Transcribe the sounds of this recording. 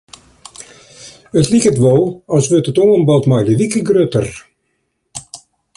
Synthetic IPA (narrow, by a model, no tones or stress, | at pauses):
ətlikətʋɔlˠɑsʋøtətoŋənbɑlˠtmajləʋikəɡrøtər